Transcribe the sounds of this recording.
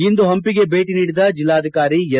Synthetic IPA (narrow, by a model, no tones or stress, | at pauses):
ind̪uɦɐmpiɡe̞be̞ːʈiniːɽid̪ɐd͡ʒilːaːd̪ʱikaːɾiɛ